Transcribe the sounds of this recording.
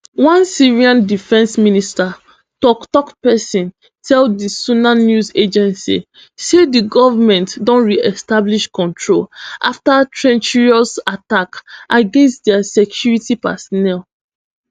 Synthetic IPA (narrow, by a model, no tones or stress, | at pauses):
wãnsiɹiãndifɛ̃nsminista | tɔktɔkpɛsĩn | tʰɛldisunanjuzed͡ʒɛ̃nsḭ | sediɡɔvamɛ̃ntdɔ̃nɹiɛstabliʃkɔ̃ntʰɹolʔa̰ftatɹɛ̃nt͡ʃiɹiɔsatakʔaɡẽnstdɛasɛkʰjuɹitipa̰sɔnɛl